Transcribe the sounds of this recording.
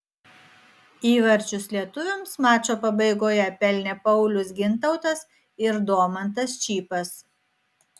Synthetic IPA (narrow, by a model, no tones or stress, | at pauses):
iːʋɐɾʲt͡ʃʲʊslʲiɛt̪ʊʋʲʊmsmɑːt͡ʃʲoːpɐbɐɪɡoːjɛpʲɛlʲnʲɛpɐʊlʲʊs̬ɡʲɪnt̪ɐʊt̪ɐs | ɪɾd̪oːmɐnt̪ɐst͡ʃʲiːpɐs